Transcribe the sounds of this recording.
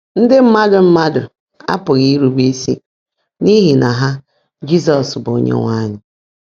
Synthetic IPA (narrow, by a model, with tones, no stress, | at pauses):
n̩˦dɪ˦m̩˦ma˦dʊ˨m̩˦ma˦dʊ˨ | a̰˦pʊ˨ɣi˦ɾu˨bi˦si˦ | ni˦ɦi˨na˨ɦa˦ | d͡ʒi˦sɔ˨sbo˨ɲḛ˦ŋʷa˦ɲɪ˨